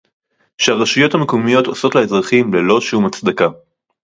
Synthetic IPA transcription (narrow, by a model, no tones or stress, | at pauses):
ʃeaʁaʃujo̞thamekomijo̞t̪osotlaezʁaχimlelo̞ʃumat͡sd̪aka